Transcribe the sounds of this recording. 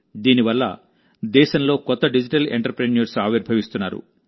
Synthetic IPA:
d̪iːniʋɐlːɐ̰ | d̪ɛːʃɐnlo̞ːkɔt̪ːɐɖid͡ʒiʈɐlḛɳʈɾɐpɾeneɾsaːʋiɾbʱɐʋist̪unːa̰ːɾṵ

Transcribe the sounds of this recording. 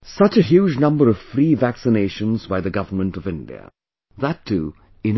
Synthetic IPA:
sʌt͡ʃɨɦjuːd͡ʒnʌ̃mbəɹʌv̥fɾiːvæksɨneɪʃə̃nzbaɪðɨɡʌvə˞mə̃ntʌvɪ̃ndḭə̰ | ðətʰːu | ɪ̃n

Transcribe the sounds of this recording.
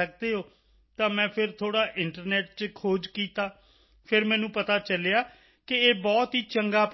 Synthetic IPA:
ək̚d̪eːɦoː | t̪ãːmɛ̃ːpʰɪɾt̪ʰoːɽaːʔɪɳʈəɾnɛːʈ̚t͡ʃkʰoːd͡ʒkiːt̪aː | pʰɪɾmɛ̃ːnũːpət̪aːt͡ʃəleːaː | kɪeːbɔːt̪ɦiːt͡ʃəŋɡaːp

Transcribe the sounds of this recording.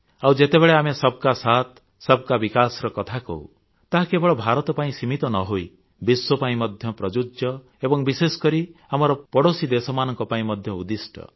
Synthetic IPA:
awd͡ʒet̪ebeɭeamesɔb̚kasat̪ | sɔb̚kabikasɾɔkɔt̪ʰakɔ̰w̰ | t̪aɦakebɔɭɔbʱaɾɔt̪ɔpaĩsimit̪ɔnɔɦoi | biswɔpaĩmɔd̪ʱjɔpɾɔd͡ʒud͡ʒjɔ | ebɔŋbisesɔ̥kɔɾiamɔɾɔpɔɽosid̪esɔmanɔŋkɔpaĩmɔd̪ʱjɔud̪isʈɔ̰

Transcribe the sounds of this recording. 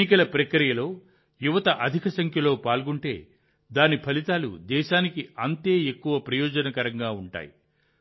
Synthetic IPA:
ikɐlɐpɾɐkɾijɐlo̞ː | juʋɐt̪ɐʔɐd̪ʱikɐsɐŋkʰjɐlo̞ːpaːlɡuɳʈe̞ː | d̪aːnipʰɐlit̪aːlṵd̪ɛːʃaːnikiɐnt̪e̞ːekːuʋɐpɾɐjɔːd͡ʒɐnɐkɐɾɐŋɡaːuɳʈa̰ːjḭ

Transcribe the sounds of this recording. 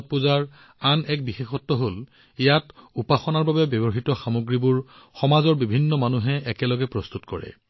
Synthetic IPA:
t̚puzaɹ | anɛk̚bixexɔtːɔɦol | ijatupaxɔnaɹbabɛbjɔbɔɦitɔxamoɡɹibuɹ | xɔmazɔɹbibʱinːɔmanuɦɛɛkɛlɔɡɛpɹɔst̪utkɔɹɛ̰

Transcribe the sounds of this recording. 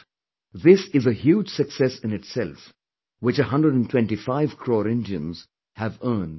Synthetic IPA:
ðɪsɪzəhjuːd͡ʒsɨksɛsɨ̃nɨʈsɛlˠf | wɪt͡ʃəɦʌ̃ndɹəɖə̃ntʰwɛ̃nʈifaɪvkʰɾɔːɾɪ̃ndiə̃nz̥ | hævə̃ːn

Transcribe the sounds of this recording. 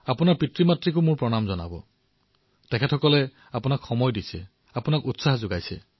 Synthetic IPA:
apʊnaɹpitɹimatɹik̬ʊmʊɹpɹɔnamzɔna̰bɔ̰ | tɛkʰɛtʰɔkɔlɛ | apunakxɔmɔjdisɛ | apʊnakutsaɦzʊɡajsɛ̰

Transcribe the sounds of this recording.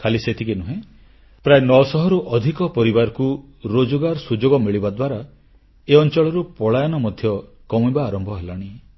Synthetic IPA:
kʰaliset̪ʰikenuɦẽ | pɾaenɔsɔɦɔɾuʔɔd̪ʱikɔpɔɾibaɾɔku | ɾod͡ʒɔɡaɾɔsud͡ʒoɡɔmiɭibad̪waɾa | eɔnt͡ʃɔɭɔɾupɔɭajɔnɔmɔd̪ʱjɔ | kɔmibaːɾɔmbʱɔɦelɔɽ̃i

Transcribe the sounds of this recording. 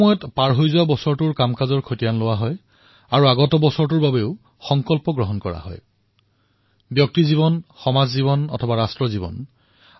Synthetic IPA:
mɔjɔtpaɹɦojzʊwabɔsɔɹtʊɹkamkazɔɹkʰotijanlowaɦɔj | aɹuaɡɔtɔbɔsɔɹtʊɹbabeʊ | xɔŋkɔlpɔɡɹɔɦɔnkɔɹa̰ɦɔ̰j | bjɔk̚tizibɔnxɔmazziβɔnɔ̰tʰɔbaɹastɹɔzibɔ̰n

